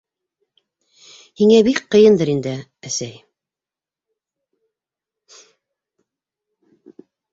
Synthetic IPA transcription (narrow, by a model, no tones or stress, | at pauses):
hiŋæbikqɤ̆jɤnd̪ɤɾind̪ɘæsæj